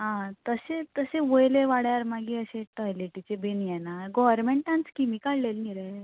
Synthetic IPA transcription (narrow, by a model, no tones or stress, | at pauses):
ɦãt̪əset̪əseʋojleʋaɽjaɾmaɡiːəɕeʈɔjleʈit͡ɕebenijɛnaɡɔʋəɾmeɳʈãnt͡skimikaɽlelniɾə